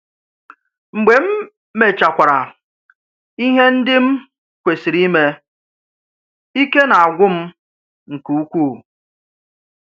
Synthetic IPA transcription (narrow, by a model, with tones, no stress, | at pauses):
ŋ͡m̩˨ɡ͡be˨m̩˦ | me˨t͡ʃa˨kʷa˨ɾa˨ | i˦ɦe˦n̩˦dɪ˦m̩˦ | kʷe˨si˨ɾi˦me˦ | i˦ke˦na˨a˨ɡʷʊ˦m̩˦ | ŋ̩˨ku˨u˦kʷuː˦˨